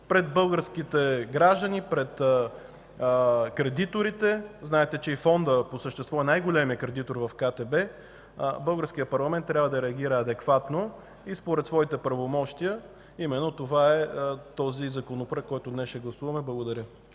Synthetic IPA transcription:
pɾɛd̪̚bɤlˠɡəɾsk̟it̪ɛɡɾaʒd̪ənipɾɛt̪ | kɾɛd̪it̪oɾit̪ɛznaɛt̪ɛt͡ʃɛifɔnd̪əposəʃt̪ɛst̪vɔɛnajɡolʲɛmiəkɾɛd̪it̪oɾvɐfkat̪ɛbɛ | bɤlˠɡəɾsk̟ijəpɐɾlˠɐmɛnt̪ːɾʲabvəd̪ɐɾɛɐɡ̟ʲiɾəɐd̪ɛkvat̪no | ispoɾɛt̪svɔit̪ɛpɾəvomɔʃt̪ijə | imɛnːot̪ovaɛt̪ɔzizɐkonopɾəkkːɔjt̪ʊnɛsʃɛɡlˠɐsuvɐmɛblˠɐɡod̪ɐɾʲjə

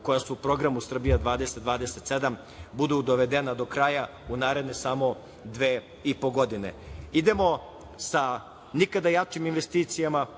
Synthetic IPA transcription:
ko̞jasuupɾo̞ɡɾamusr̩bijad̪ʋaːd̪e̞set̪d̪ʋaːd̪eset̪se̞d̪am | bud̪ud̪oʋe̞d̪enad̪o̞kɾaja | unaːɾe̞d̪ne̞samo̞ | d̪ʋeː | ipo̞ɡo̞d̪ine̞̰id̪emo̞ | sa | nikad̪ajat͡ʃiminʋe̞st̪iːt̪sijama

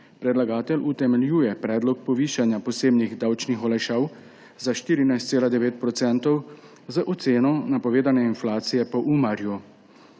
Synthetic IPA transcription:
pɾɛd̪laɡaːt̪ɛlut̪ɛmɛljuːjɛpɾɛːd̪lɔk̚pɔʋiːʃanjapɔseːbniɣd̪aːwt͡ʃnixɔlɛʃaw | zaʃt̪iːɾinajst̪seːlad̪ɛʋeːt̪̚pɾɔt̪sɛnt̪ɔw | zaʔɔt̪seːnɔnapɔʋeːd̪anɛinflaːt̪sijɛpɔʔuːmaɾju

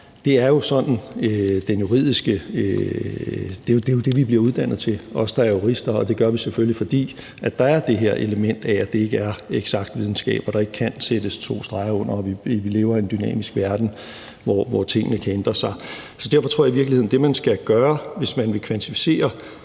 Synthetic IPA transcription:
d̥e̝æɐjo̝sɒ̽nn̩d̥enjuʁḭð̞̰ˠisɡ̥ə | d̥e̝jo̝d̥ejo̝d̥e̝ʋib̥liɐuð̞ˠd̥æn̰ð̞̩ˠt͡sʰe̝lʔɒ̽sə̥d̥ɑæɐjo̝ʁisd̥ɐɒd̥e̝ɡ̥ɶɐʋiseføllifɒ̽d̥ḭː | ʔæ̥d̥ɑ̈æɐd̥e̝ɦeɐ̰ʔe̝ləmen̰d̥ææd̥ee̝ɡ̥əæɐeɡ̥sɑ̈ɡ̥d̥ʋið̞ˠn̩sɡ̥ɛ̰ːb̥ɒɾ̥ɑ̈e̝ɡ̥əkʰænsed̥əst͡sʰo̝̰ːsd̥ʁɑ̈ɪɐɔ̽n̰ɐɒʋiʋile̝ːʊɐe̝nd̥ynɛ̰ːmisɡ̥ʋæɐd̥n̩ | ʋɒʋɒt͡sʰe̝ŋ̰ənəkʰæend̥ʁɐsɑ̈ɪsɒ̽d̥æɐfɒ̽t͡sʰoɐ̰jiʋiɐɡ̥lihe̝ðˠn̩d̥e̝mænsɡ̥æɡ̥ɶːɐʋe̝smænʋe̝kʰʋænt͡sʰifi̥se̝̰ːɐ

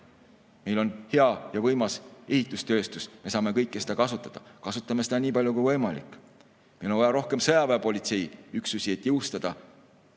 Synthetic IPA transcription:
me̞jlo̞nhe̞ɑjɑvɤjmɑse̞hit̪ˑust̪ø̞ːst̪usme̞sɑːme̞kɤjkːesed̪ɑkɑsut̪ːˑɑd̪̥ɑkɑsut̪ːˑɑme̞sed̪̥ɑniːpɑlʲjoukujvɤjmɑlḭkˑː | mejlonvɑjɑɾo̞hke̞msɤjɑveːpo̞lʲit̪se̞jyksusʲie̞t̪ːˑjɤwst̪ɑd̪̥ɑ

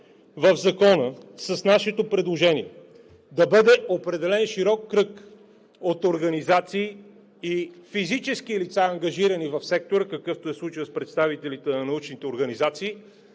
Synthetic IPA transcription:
vəvzɐkɔnəsəsnaʃɛt̪opɾɛd̪lˠoʒɛniɛ | d̪ɐbɤd̪ɛopɾɛd̪ɛlɛnʃiɾɔkːɾɤk | ot̪oɾɡɐnizat̪siː | ifizit͡ʃɛskilit̪saɐŋɡɐʒiɾɐnivɐfsɛk̚t̪oɾəkɐkɤft̪oɛslˠut͡ʃəəspɾɛt̪st̪avit̪ɛlit̪ɛnɐnɐut͡ʃnit̪ɛoɾɡɐnizat̪siː

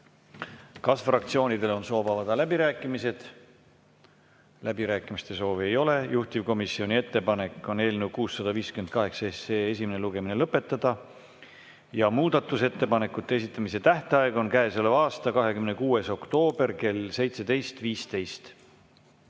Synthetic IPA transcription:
kɑsfrɑk̚t̪sio̞ːnid̪e̞lo̞nso̞ːvɑvɑd̪̥ɑlæbiɾæːkːˑimise̞d̪̥ | læbiɾæːkːˑimist̪e̞so̞ːvie̞jo̞le̞juht̪ivko̞misːio̞nʲie̞t̪ːe̞pɑne̞kːˑo̞ne̞ːlnew̚kuːsːɑd̪ɑviːskymenkɑɦe̞ksɑeseːesimeneluɡe̞mine̞lɤpːˑe̞t̪ːˑɑd̪̥ɑ | jɑmuːd̪ɑt̪ːˑuse̞t̪ːe̞pɑne̞kːˑut̪ːe̞es̬it̪ˑːɑmis̬e̞t̪æht̪eɑeɡo̞nkæesolevɑːst̪ɑkɑɦe̞kymnekuːe̞so̞kt̪o̞ːb̥e̞rke̞lse̞jt̪se̞d̪e̞jst̪viːst̪e̞jst̪

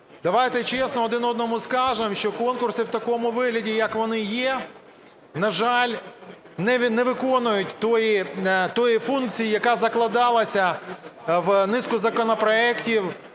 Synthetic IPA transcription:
d̪ɐʋajt̪ɛt͡ʃɛsnɔɔd̪ɪnɔd̪̚nɔmʊskɑʒemʃt͡ʃɔkɔnkʊrsɪwt̪ɐkɔmʊʋɪɦlʲɐdʲijɐkʋɔnɪjɛ | nɐʒɑlʲ | nɛnɛʋɪkɔnʊjʊtʲt̪ɔjit̪ɔjifunk̚t͡sʲijijɐkɑzɐklˠɐd̪ɑlˠɐsʲɐ | ʋnɪskʊzɐkɔnɔpɾɔɛktʲiw

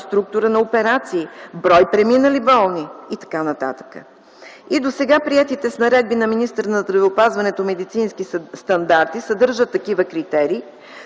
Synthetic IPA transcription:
st̪ɾuk̚t̪ʊɾənɐopɛɾat̪siːbɾɔjpɾɛminəlibɔlˠniit̪ɐ̥kanɐt̪a̰t̪ə̥kə̰ | id̪osɛɡapɾiɛt̪it̪ɛsnɐɾɛd̪̚binɐminist̪əɾnɐzd̪ɾɐvɛopazvɐnɛt̪omɛd̪it̪sinskist̪ɐnd̪aɾt̪isɐd̪ɤɾʒət̪ːɐkivəkɾit̪ɛɾiː

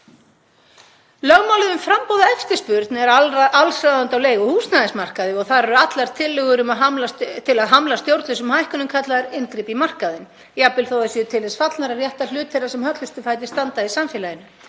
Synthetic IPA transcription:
lœɣmawlɪðʏmfɾampowðaɛft̪ɪ̥spʏɾt̪nɛɾalsɾaðant̪awleːjɣʏhuːsnaðɪnsmar̥kaðɪɔɣθaðɾɛɾʏat̪laɾ̥t̪ʰɪlːʏɣʏɾʏmaðɦamlat̪ʰɪlaðɦamlast̪jowɾt̪lʏsʏmhajhkʏnʏmkʰat̪laðɾɪnkɾipimar̥kaðɪn | iapɪlθowðasiʏt̪ʰɪlðɛsfat̪lnaɾarjɛht̪al̥ʏːt̪ʰɛrasɛmhœt̪lʏst̪ʏfaːjt̪̬ɪ̥st̪ant̪aðisamfɛːlajɪnːʏ

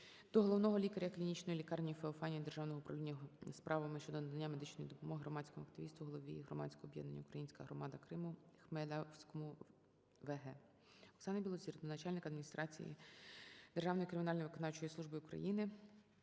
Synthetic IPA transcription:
d̪ɔɦɔlˠɔwnɔɦɔlʲikɐɾʲɐklʲinʲit͡ʃnɔjilʲikɑrnʲijifeɔfɑnʲijid̪erʒɑwnɔɦɔʊpɾɐwlʲinʲːɐspɾʔɑʋɐmɪʃt͡ʃɔd̪ɔnd̪ɐnʲːamed̪ɪt͡ʃnɔjid̪ɔpɔmɔɦɪɦɾɔmɑdʲsʲkɔmʊɐkt̪ɪʋʲist̪ʋuɦɔlˠɔʋʲiɦɾɔmɑ̰t͡sʲkɔɔːbjɛ̰d̪nɐ̰nʲːɐʊukɾɐjinʲsʲkɐɦɾɔmɑd̪ɐkɾɪmʊxmɛd̪sʲkɔmʊ | ʋeɦɛ | ɔksɑnɐbʲilˠɔzʲirɔnɐt͡ʃɑlʲnɪkɐd̪mʲinʲist̪ɾɑt͡sʲḭjḭ | d̪erʒɑwnɔjikɾɪmʲinɑlʲnɔjʋɪkɔnɑwt͡ʃɔjisˠuʒbɪʊkɾɐ̰jinɪ

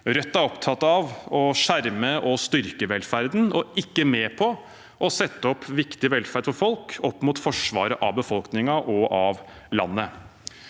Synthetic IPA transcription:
ɾœt̪ːæɾɔpt̪ʰɑt̪ːɑʋɔʂæɾməʔɔst̪ʏɾkəʋɛlfæɾd̪nɔɪkːəmeːpʰɔ | ʔɔsɛt̪ːəɔpːʋɪkt̪ɪʋɛlfæɖ̪fɔɾfɔlkɔpːmuːt̪fɔʂʋɑ̰ːɾəʔɑʋbəfɔlknɪŋɑʔɔʔɑʋ | lɑ̰nːə

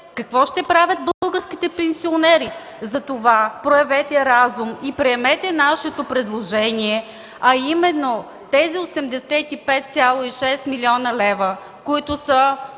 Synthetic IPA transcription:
kɐkvɔʃt̪ɛpɾavʲət̪̚bəlˠɡəɾsk̟it̪ɛpɛnsionɛɾi | zɐt̪ovapɾoɛvɛt̪ɛɾazumipɾɛɛmɛt̪ɛnaʃɛt̪opɾɛd̪lˠoʒɛniɛ | ɐimɛnːo | t̪ɛziosɛmd̪ɛsɛt̪ipɛt̪̚t̪sʲjalˠoiʃɛst̪milʲiɔnəlɛvə | koit̪ʊsə

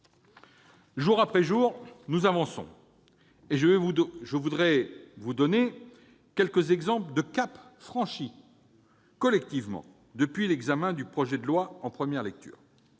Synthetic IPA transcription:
ʒuʁapχɛʒuːʁnuzavɑ̃sɔ̰̃ | eʒəvɛvʒəvud̪ʁɛvud̪ɔne | kʲɛlkəzɛɡzɑ̃pləd̪əkapfχɑ̃ʃi | kɔlɛk̚t̪ivmɑ̰̃ | d̪əpɥilɛɡzamɛ̃d̪ypχɔʒɛd̪əlwaɑ̃pχəmjɛʁlɛk̚t̪ʰy̰ːʁ

